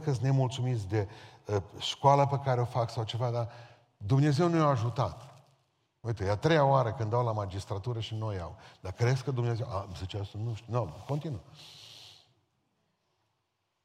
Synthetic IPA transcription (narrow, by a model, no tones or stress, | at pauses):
kəsne̞mult̪sumit̪sʲd̪e̞əʃkwaləpekaɾeo̞faksawt͡ʃe̞vad̪a | d̪umne̞ze̞wnujaːʒut̪at̪ | ot̪ujeat̪ɾe̞jaoaɾəkɨnd̪awlamad͡ʒist̪ɾat̪uɾəʃinoja̰wd̪akɾeskəd̪umnezewʔazit͡ʃast̪ənuʃt̪inoko̞nt̪inu